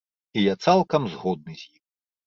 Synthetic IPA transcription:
ijat̪salˠkɐmzɣɔd̪̚nɨzʲjix

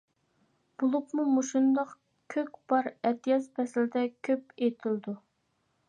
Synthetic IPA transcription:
b̥olˠupmumuʃund̪ɑq | kʲʰøkʲb̥ɑɾɛt̪ʰijɑspʰɛslɪd̪ɛkʲʰøpet̪ʰɪld̪u

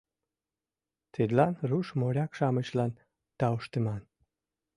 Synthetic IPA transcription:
t̪ʰed̪lɑnruʃmoɾʲɑkʃɑmət͡ɕlɑn | t̪ɑuʃt̪əmɑn

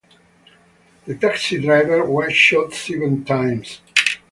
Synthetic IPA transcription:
ðətaksidɹaɪvəɹwɛʃɔtsɛvə̃ntʰãɪ̃ms

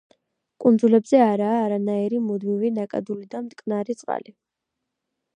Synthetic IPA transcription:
kʼund̪zulɛbzɛaɾaːɾanaiɾimud̪mivinakʼa̰d̪ulid̪amt̪ʼkʼnaɾit̪sʼqʼa̰li

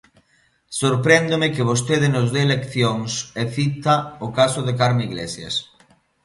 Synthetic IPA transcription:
soɾpɾend̪omekɪβ̞os̬t̪eðɪnʊzðelekθjoŋseθit̪aʊkasʊðekaɾmiɣlḛsjḛs

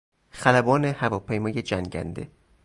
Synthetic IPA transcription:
xælæbɒːnehævɒːpʰejmɒːjed͡ʒæŋɟæ̰nd̪e̞̰

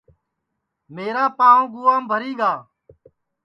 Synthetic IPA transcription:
meːɾaːpãːõːɡuːaːmbʱəɾiːɡaː

